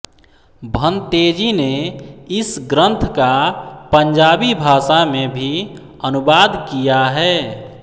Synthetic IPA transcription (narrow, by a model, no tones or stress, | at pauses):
bʱə̃nt̪eːd͡ʒineɪsɡɾə̃nt̪ʰkapəɲd͡ʒaːbibʱaːsamẽbʱi | ənʊbaːd̪kijaɦɛː